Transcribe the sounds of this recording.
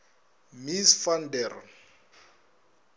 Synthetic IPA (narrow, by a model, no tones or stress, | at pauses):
misfandɛr